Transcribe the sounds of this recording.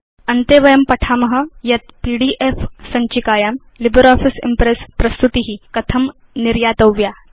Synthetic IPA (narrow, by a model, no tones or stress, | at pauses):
ənt̪eʋɐjɐmpɐʈʰaməɦəjɐt̪̚piɽiːʔefsɐɲt͡ɕikaːjam | libəɾɔfisḭmpɾespɾɐst̪ut̪iɦikɐt̪ʰəm | niɾjat̪əʋja